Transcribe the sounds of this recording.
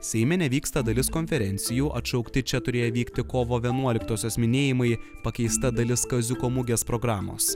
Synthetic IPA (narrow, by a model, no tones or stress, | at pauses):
sʲɛɪmʲɛnʲɛʋʲiːkst̪ɐd̪ɐlʲɪskɔnʲfʲɛɾʲɛnʲt̪sʲɪjuːʔɐt̪ʃɒʊkt̪ʲɪt͡ʃʲɛt̪ʊɾʲeːjɛʋʲiːkt̪ʲɪkoːʋoːʋʲiɛnuɔlʲɪkt̪oːsʲoːsmʲɪnʲeːjɪmɐɪpɐkʲɛɪst̪ɐd̪ɐlʲɪskɐzʲʊkoːmʊɡʲeːspɾɔɡɾɑːmo̰ːs